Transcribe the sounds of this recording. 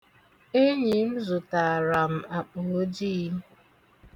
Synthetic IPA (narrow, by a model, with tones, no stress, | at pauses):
e˦ɲi˨m̩˦zʊ˨ta˨ɾa˨m̩˨a˨k͡pʊ˨o˦d͡ʒi˦